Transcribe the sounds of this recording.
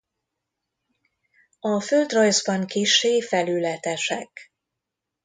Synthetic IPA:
ɒføld̪rɒjzbɒŋkiʃeːfɛlylɛt̪ɛʃɛk

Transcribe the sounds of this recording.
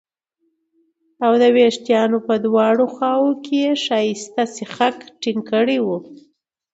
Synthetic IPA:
awd̪əweʂt̪jɑnopəd̪wɑɽoxɑwokejeʃɑjist̪asixakʈiŋkəɽiwu

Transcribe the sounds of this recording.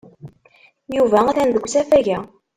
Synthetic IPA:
juvææθænðəɡʷːsæfæʝæ

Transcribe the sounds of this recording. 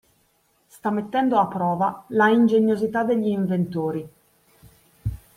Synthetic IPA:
st̪amːet̪ːɛnd̪oapːɾɔːvalaind͡ʒeɲjozit̪ad̪ːeʎːiːɱvent̪oːɾi

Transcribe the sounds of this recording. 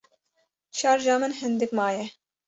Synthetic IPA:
t͡ʃʰɑːɾʒɑːmɨnɦɨnd̪ɨkmɑːjɛ

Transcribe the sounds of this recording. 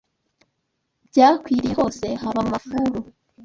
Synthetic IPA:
bɟaːkwiːɾeho̞se̞haβamafuɾu

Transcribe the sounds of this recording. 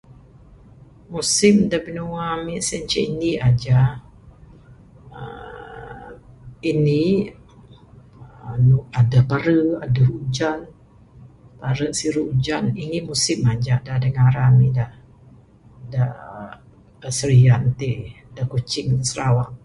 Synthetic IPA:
musɪmdabənuwamisənt͡ʃɛiniad͡ʒa | ə | ini | nuadapaɾəadəud͡ʒan | paɾəsiɾuʔud͡ʒaninimusɪmad͡ʒaʔdadəŋaɾamida | da | əsəɾiant̪iʔ | dakut͡ʃɪŋsəɾawaʔ

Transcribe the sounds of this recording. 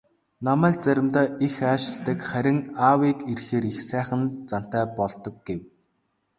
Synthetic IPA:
namæːk̚t͡sæɾʲɪ̆mt̪aːʔixaːʃɪ̆ɮt̪ə̆kχæɾʲɪ̆ŋaːwiːkirxeːɾixsæːχə̆nt͡san̥t̪æːpɔɮt̪ɞ̆k̚ɡew

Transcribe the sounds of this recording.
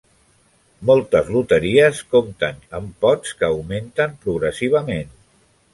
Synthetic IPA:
mɔlˠt̪əzlut̪əɾiəskomt̪ənəmpɔt͡skəːwment̪əmpɾuɣɾəsiβ̞əmen

